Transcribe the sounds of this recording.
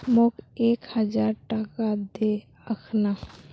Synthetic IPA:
mokekhəd͡ʒaɾʈakad̪e | əkʰna

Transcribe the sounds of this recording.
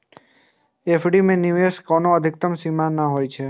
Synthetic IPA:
efʰɖimẽnjueskonoəd̪ʱɪk̚t̪əmsimanaɦojt͡ʃʰe

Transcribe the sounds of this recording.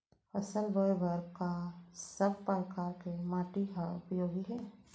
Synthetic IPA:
əsəlbəbəɾkasəb̚pəɾkaːɾkemaːʈikaʊpjoːɡiɦɛː

